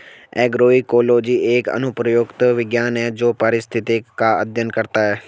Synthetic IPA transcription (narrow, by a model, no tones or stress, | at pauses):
ɛːɡɾoːikoːloːd͡ʒiːeːkə̰nʊpɾəjoːɡt̪ʋɪɡjaːnɛːd͡ʒoːpəɾɪst̪ʰɪt̪ɪkːaːəd̪ʱjənkəɾt̪aːɦɛː